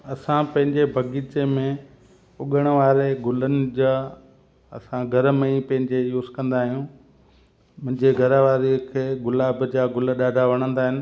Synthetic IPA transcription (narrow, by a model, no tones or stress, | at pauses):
ɐsãpɐ̃ɦɪ̃ɲd͡ʑebʱɐɡiːt͡ɕemẽ | ʊɠəɽ̃̆ʋaːɾeɡʊlənɪ̆d͡ʑaː | ɐ̰sãɡʱɐɾmẽipɐ̃ɦɪ̃ɲd͡ʑejuːskɐ̃nd̪aːɦijũː | mʊ̃ɦɪ̃ɲd͡ʑeɡʱɐɾəʋaːɾikʰeːɡʊlaːbd͡ʑaːɡʊləɗaːɖʱaʋɐɽ̃ə̃nd̪aːɦɪnɪ̆